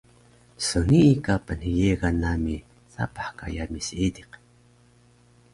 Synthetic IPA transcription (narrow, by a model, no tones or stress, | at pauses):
soniʔːkapənhəjeɣanami | θa̰paħka̰jamisiid̪iq